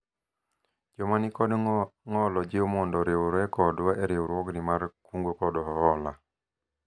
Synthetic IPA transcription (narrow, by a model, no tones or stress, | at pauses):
d͡ʒomanikɔdŋɔlɔd͡ʒɪomɔndɔɾewoɾɛkɔdwaʔɛɾewoɾwɔɡnimarkuŋɡokɔdɔɦɔhɔla